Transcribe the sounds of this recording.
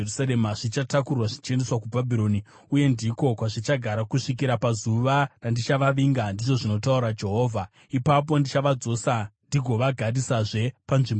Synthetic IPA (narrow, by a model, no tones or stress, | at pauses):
usaɾemaʐit͡ʃatakurwaʐit͡ʃendeswakubʱabʱiɾo̞ːni | uje̞ndiko̞kwaʐit͡ʃaɡʱaɾakuʂik̬iɾapazuʋarandit͡ʃaʋaʋiŋɡandiʐo̞ʐino̞tauɾad͡ʒe̞ɦo̞ːvʱa | ipap̬o̞ndit͡ʃaʋad͡zo̞sandiɡʱo̞ʋaɡʱadisaʐe̞panʐimbo